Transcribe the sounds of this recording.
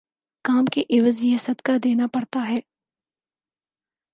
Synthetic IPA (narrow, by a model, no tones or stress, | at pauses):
kaːmkeʔɪʋəzjɛɦsɐd̪kad̪eːnapɐɽt̪aɦɛː